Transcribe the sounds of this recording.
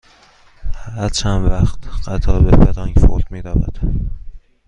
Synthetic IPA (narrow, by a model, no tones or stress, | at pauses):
hæɾt͡ʃʰænvæxt̪ɢæt̪ʰɒːbefeɾɒːŋkfoɾmiːɾæːvæ̰d̪̥